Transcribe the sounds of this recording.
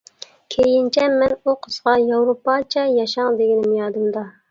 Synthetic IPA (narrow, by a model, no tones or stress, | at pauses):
kʲʰejint͡ʃʰɛmːɛnuqʰəz̥ʁɑjɑwɾopɑt͡ʃʰɛjɑʃɑŋd̪eɡʲinɪmjɑːd̪ɨmd̪ɑ